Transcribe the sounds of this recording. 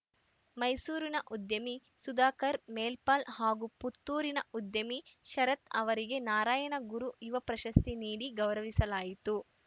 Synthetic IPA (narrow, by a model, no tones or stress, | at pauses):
mɐjsuːɾinɐʔud̪jɐmisud̪aːkɐɾmeːlpaːlhaːɡuput̪ːuːɾinɐud̪jɐmiʃɐɾɐt̪ɐʋɐɾiɡe̞naːɾaːjɐnɐɡuɾuiʋɐpɾɐʃɐst̪ʰiniːɽiɡɐwɾɐʋisɐlaːjit̪u